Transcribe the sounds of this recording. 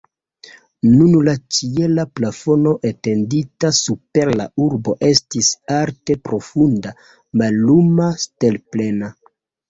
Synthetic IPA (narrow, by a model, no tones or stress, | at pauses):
nunlat͡ʃielaplafo̞no̞ʔete̞nditasupe̞ɾla̰uɾbo̞ʔe̞stisaɾte̞pɾo̞funda | malːumaste̞lple̞na